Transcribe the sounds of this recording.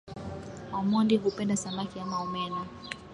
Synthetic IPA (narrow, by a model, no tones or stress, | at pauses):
wamɔndiɦupɛndasamakiamaɔmɛna